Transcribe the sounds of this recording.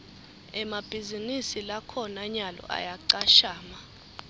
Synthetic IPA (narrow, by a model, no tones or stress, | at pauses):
ɛmab̥ʱizinisilakʰɔnaɲalɔ̰ʔa̰jaǀaʃaːma